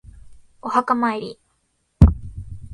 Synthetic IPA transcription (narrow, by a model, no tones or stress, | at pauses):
ohakamaiɾi